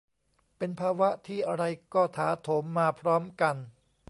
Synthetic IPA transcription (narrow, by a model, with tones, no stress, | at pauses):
pe˧npʰaː˧wa˦˥t̪ʰiː˥˩ʔa˧ɾa˧jkɔː˥˩t̪ʰaː˩˦t̪ʰoː˩˦mːaː˧pʰɾɔː˦˥mka˧n